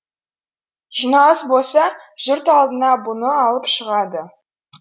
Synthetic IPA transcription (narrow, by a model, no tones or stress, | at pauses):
ʒ̥inɑlˠəsbolˠsɑʒ̥ʏɾt̪ɑlˠd̪ənɑbʊnəɑlˠəpʃəʁɑd̪ə